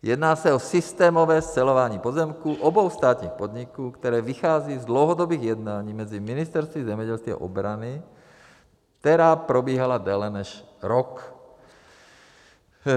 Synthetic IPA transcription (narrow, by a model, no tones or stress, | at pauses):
jɛd̪naːsaɔsist̪ɛːmɔʋɛːst͡sɛlɔʋaɲiːpɔzɛmkuʔɔbɔʊst̪aːt̪ɲiːxpɔd̪ɲikuːkt̪ɛɾɛːʋixaːd͡ziːzd̪lɔʊɦɔd̪ɔbiːɣjɛd̪naːɲiːmɛd͡ziminist̪ɛɾst̪ʋizɛmjɛɟɛlst̪ʋia̰ʔɔ̰bɾani | t̪ɛɾaːpɾɔbɪiːɦalad̪ɛlɛnɛʃɾɔk